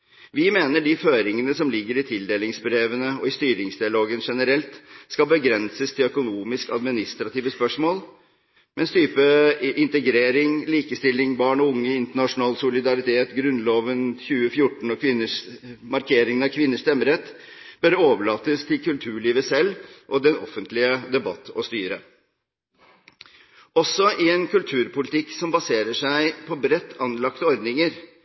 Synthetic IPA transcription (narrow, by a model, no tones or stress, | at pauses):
ʋɪmeːnəɖɪføːɾɪŋənəsɔmlɪɡːəɾɪt̪ʰɪld̪eːlɪŋsbɾeːʋənəɔɪst̪yːɾɪŋsd̪ɪɑloːɡənʂɛnəɾɛlt̪skɑbəɡɾɛnsəst̪ʰɪlœkʊnuːmɪskɑ̰d̪mɪnɪst̪ɾɑt̪iːʋəspœʂmoːl | mɛnst̪ʰyːpəʔɪnt̪əɡɾeːɾɪŋliːkəst̪ɪlːɪŋbɑːɳɔʊŋːəɪnt̪əɳɑʂʊnɑːlsʊlɪd̪ɑɾɪt̪ʰeːt̪ɡɾʉnloːʋənçʉːəfjʊʈːɳ̩ɔkʰʋɪnːəʂmɑɾkʰeːɾɪŋənɑkʰʋɪnːəʂt̪ɛmːəɾɛt̪ | b̥œɾəoːʋəɭɑːt̪əst̪ʰɪlkʰʉlt̪ʰʉːɭiːʋəsɛlːʔɔd̪ɛnɔ̰fːənt̪lɪəd̪ɛbɑ̰t̪ːɔst̪yːɾə | ɔsɔʔɪɛnkʉlt̪ʰʉːɾpʊlɪt̪ʰɪksɔmbɑseːɾəʂæɪpʰɔbɾɛt̪ːɑnlɑkt̪əɔɾd̪nɪŋəɾ